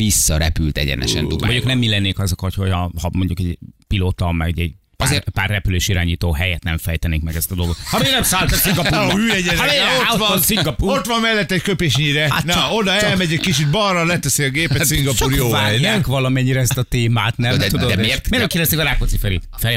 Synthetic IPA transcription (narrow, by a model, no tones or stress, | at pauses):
isːɒɾɛpylt̪ɛ̰ɟɛ̰nɛ̰ʃɛ̰nd̪ṵoɲoknɛmːilɛnːeːkɒzokɒt̪ho̞cɒhɒmo̞ɲɟukɛɟpiloːt̪ɒmɛ̰ɡuɟɛ̰ɟ | pzeːpaːrrɛpyleːʃiɾa̰ːɲiːt̪oːɦɛjɛt̪nɛɱfɛjt̪ɛneːkmɛɡɛst̪ɒd̪o̞lˠɡot̪hɒmeːnɛmsaːlt̪ɔsiŋɡɒyːɛɟɛnaɛovnsiɡɒpuot̪ʋɒmmɛlːɛt̪ːɛɟkøpeːʃɲiɾɛanɛo̞d̪ɒɛlmɛɟɛɟkit͡ʃit̪̚bɒrːɒlɛt̪ɛsiɒɡeːpɛt̪siŋɡɒpuːɾjovaɛkvɒlɒmɛɲːiɾɛɛst̪ɒt̪eːmaːt̪nɛud̪od̪ɛmermeɾnɛmkilɛst̪ekɡɒɾaːkot̪sifɛɾḛːt̪fɛ